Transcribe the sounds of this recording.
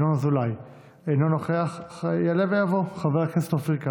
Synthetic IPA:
nonazulaj | ejnonoχeaχjalevejavoχaveʁkestlafʁika

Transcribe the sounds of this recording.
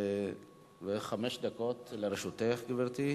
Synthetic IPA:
veχameʃd̪akot̪leɾeʃut̪eχɡiveʁt̪i

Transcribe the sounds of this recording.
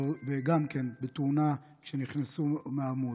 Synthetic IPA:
veɡamkenbet̪una | kʃeniχnasumeamu

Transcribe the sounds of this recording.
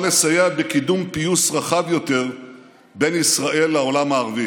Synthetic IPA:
leshajabe̞kid̪umpijusʁaχavjo̞t̪e̞ʁ | be̞nisʁaʔe̞lːao̞lamaːʁavi

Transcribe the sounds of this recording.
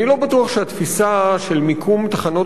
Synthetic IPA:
nilo̞batuɐχʃeat̪fisaʃe̞lmikʰumt̪aχano̞

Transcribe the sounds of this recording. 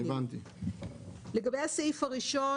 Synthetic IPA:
evant̪i | leɡabejasejfaʁiʃo

